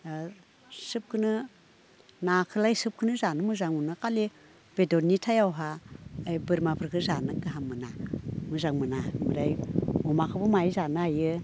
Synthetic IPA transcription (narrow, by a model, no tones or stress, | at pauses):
sɯp̚kʰɯnɯ | nakʰɯlajsɯp̚kʰɯnɯzanɯmɯzaŋmunɯkale | b̥edonitʰajawɦaːjbɯɾmapʰɯɾkʰɯzanɯɡaɦamɯnamɯzaŋmɯnamɯɾajɔmakʰɯbumajzanɯajɯ